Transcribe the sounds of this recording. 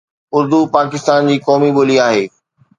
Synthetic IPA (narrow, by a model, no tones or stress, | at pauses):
ʊɾd̪upaːkɪst̪aːnd͡ʑiːkɔːmiboːliaːɦeː